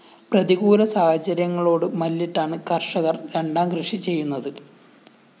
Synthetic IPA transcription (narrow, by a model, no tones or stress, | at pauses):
prɐðiɣuːɾɐsaːhɐt͡ɕːɐɾjɐŋːɐɭo̞ːɽɨmɐlːiʈːaːɳɨkɐrʂɐɣɐrɾe̞ɳɖaːmɡrɨʂit͡ɕe̞jːunːɐðɨ